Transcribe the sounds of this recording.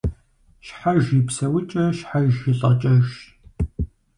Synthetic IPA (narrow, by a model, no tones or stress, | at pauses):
ʃħaʒjipsɐwɪt͡ʃʼɐʃħaʒjɪɬʼɐt͡ʃʼɐʒ